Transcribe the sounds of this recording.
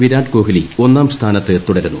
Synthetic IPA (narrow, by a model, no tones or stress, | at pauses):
ʋiɾaːɳɖko̞ːɦilio̞nːaːmst̪ʰaːnɐt̪ːɨt̪uɽɐɾunːu